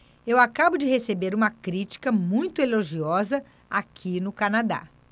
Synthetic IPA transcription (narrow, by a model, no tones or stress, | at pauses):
ewakabʊd͡ʒɪhesebeɾũmɐkɾit͡ʃi̥kɐmũj̃t̪ʊeloʒiɔzɐ | akʰinʊkanad̪a̰